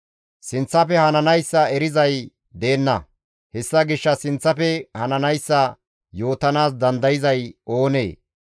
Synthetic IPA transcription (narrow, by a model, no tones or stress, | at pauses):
sɪnt͡sːɐpɛhɐnɐnɐjsːɐɛɾɪzɐj | d̪e̞ːnːɐ | hɛsːɐɡɪʃːɐsɪnt͡sːɐpɛhɐnɐnɐjsːɐ | jo̞ːt̪ɐnaːs̬d̪ɐnd̪ɐjɪzɐjo̞ːnḛː